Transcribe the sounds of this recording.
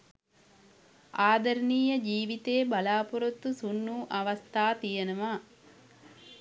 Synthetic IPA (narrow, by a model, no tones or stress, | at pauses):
aːd̪ɐɾniːjɐd͡ʒiːʋit̪eːbɐlaːpuɾot̪ːusunːuːʔɐʋɐst̪ʰaːt̪ijɐnɐʋaː